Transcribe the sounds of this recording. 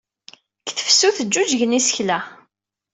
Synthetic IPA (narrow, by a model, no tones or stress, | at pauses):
kθə̥fsuθəd͡ʒːud͡ʒʝnisəçlæ